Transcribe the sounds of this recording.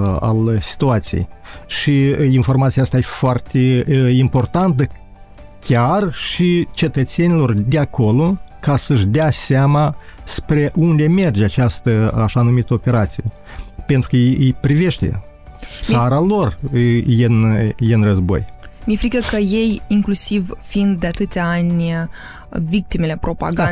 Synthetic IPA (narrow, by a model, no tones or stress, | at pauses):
a̰lsi̥t̪uat̪sijḛjʃiinfo̞rmat̪sijast̪ajefoart̪e̞impo̞rt̪ant̪ə | kʲarʃit͡ʃe̞t̪ət̪se̞nilo̞rd̪eakʰo̞lo̞kasəɨʃ̬d̪easamaspɾe̞ʔund̪e̞me̞rd͡ʒat͡ʃast̪əaʃanumit̪əope̞ɾat̪sije | pe̞nt̪ɾukəpɾive̞ʃt̪e̞̰ | t̪saɾalo̞rjenjeɨnrəzbo̞̰j | mefɾikəkəje̞jiŋklusivfind̪̚d̪eat̪ɨt̪sʲaanʲ | vik̚t̪ime̞le̞pɾo̞pa̰ɡa